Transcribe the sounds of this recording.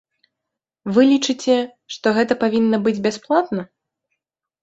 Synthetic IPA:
vɨlʲit͡ʂɨt͡sʲɛ | ʂt̪ɔɣɛt̪ɐpavʲinːɐbɨd͡zʲbʲasplˠat̪nɐ

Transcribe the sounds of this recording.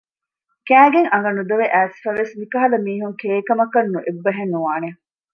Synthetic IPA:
kæːɡeŋɐŋɡɐnud̪ɐʋeʔæːsfɐʋesmikɐɦɐlɐmiːɦuŋkeːkɐmɐkɐnːuʔebːɐɦenːuʋaːne

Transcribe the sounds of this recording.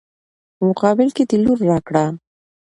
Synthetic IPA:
mʊqɑːbɪlkɪt̪ɪlʊɾːaːkɽaː

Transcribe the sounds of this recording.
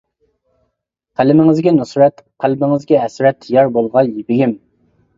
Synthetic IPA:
qʰælɪmɪŋɪzɡʲɛnusɾɛt̪qʰælbɪŋɪzɡʲɛɦɛsɾɛt̪ʰːjɑɾbolˠʁɑjibɪɡʲim

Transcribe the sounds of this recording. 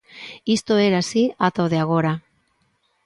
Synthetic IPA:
ist̪oeɾasiat̪awðeaɣ̞o̞ɾa

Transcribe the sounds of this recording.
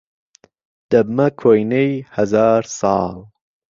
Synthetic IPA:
d̪̥ɐbmɐkʰojnejhɐzɑːɾsɑːl

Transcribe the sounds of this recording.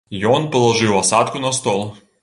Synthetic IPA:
jɔnpɔlˠɐʐɨwɐsat̪kʊnɐst̪ɔlˠ

